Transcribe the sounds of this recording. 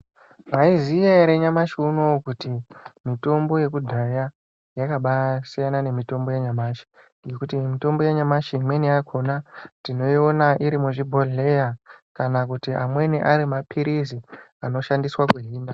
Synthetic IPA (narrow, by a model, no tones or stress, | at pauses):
maizijaɾeɲamaʃiuno̞kutimito̞mbo̞je̞kudʱaja | jakaɓasijanane̞mito̞mbo̞jaɲamaːʃi̥ | ɡe̞kutimito̞mbo̞jaɲamaʃimweniakʰo̞natino̞io̞naʔiɾimuʐibʱo̞ɮe̞jakanak̬utiʔamwe̞niʔaɾimapʰiɾizi | ano̞ʃandiswakwuɦiːna